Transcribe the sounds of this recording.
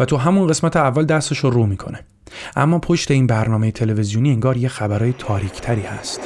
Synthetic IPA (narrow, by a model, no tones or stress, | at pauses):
væt̪ʰuɦæmunɢe̞smæt̪ʰe̞ævːæld̪æst̪eʃoɾuːmiːkʰo̞ne | ʔæ̰mːɒːpʰo̞ʃt̪e̞iːnbæɾnɒːmejet̪ʰe̞le̞vezijoniːeŋɡɒːɾjexæbæɾɒːjet̪ʰɒːɾiːcʰt̪ʰæɾiːhæ̰st̪